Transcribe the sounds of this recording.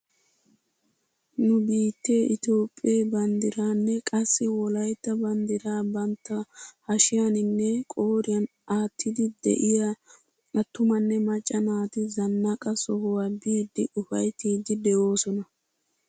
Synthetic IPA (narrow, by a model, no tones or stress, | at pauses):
nʊbiːt̪ːe̞ːʔɪt̪jo̞ːpʼːeːbɐnd̪ɪɾaːnːɛkʼɐsːɪwɔlɐjt̪ːɐbɐnd̪ɪɾaːbɐnt̪ːɐhɐʃɪjanɪnːɛkʼo̞ːɾɪjɐn | aːt̪ʰːɪd̪ɪd̪ɛ̰ʔɪja | ɐt̪ːʊmɐnːɛmɐt͡ʃʼːɐnaːt̪ɪzɐnːɐkʼɐsɔhʊwaːbiːd̪ːɪʔʊfɐjt̪iːd̪ɪd̪ɛʔo̞ːsɔnɐ